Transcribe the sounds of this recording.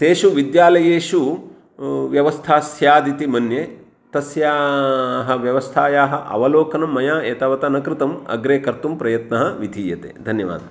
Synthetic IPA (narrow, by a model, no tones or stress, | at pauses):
t̪eːʃuʋid̪jaːlɐjeːʃu | ʋjɐʋɐst̪ʰaːsjaːd̪it̪imɐnje | t̪ɐsjaːɦɐ̆ʋjɐʋɐst̪ʰaːjaːɦɐʔɐ̰ʋɐloːkɐnɐmːɐjaːeːt̪ɐʋɐt̪ɐnɐkɾɪt̪ɐmɐ̰ɡɾeːkɐɾt̪umpɾɐjɐt̪nɐɦɐʋid̪ʱiːjɐt̪ḛːd̪ʱɐnjɐʋa̰ːd̪ʱɐ